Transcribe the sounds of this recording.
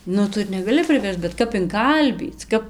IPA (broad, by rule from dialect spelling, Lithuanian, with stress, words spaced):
ˈnʊ ˈtʊ ɪr nʲɛɡɐˈlʲɪ pʲrʲɪˈʋʲɛrst͡s bʲɛt ˈkɐp ɪŋˈkɐlʲbʲiːt͡s ˈkɐp